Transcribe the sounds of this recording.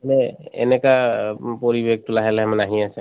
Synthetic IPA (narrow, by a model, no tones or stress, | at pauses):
nɛḛnɛkapɔɹibeɡ̚tulaɦɛlɛɦɛmɛnaɦĩasɛ